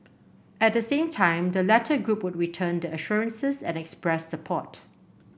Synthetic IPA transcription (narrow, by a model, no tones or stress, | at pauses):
ɛt̚dəsẽːmtʰãɪ̃mdəlɛtʰəɡɹup̚wʊd̚ɹitʰə̃ndəəʃuɹə̃nsəsɛ̰̃nɛkspɹɛssəpʰɔt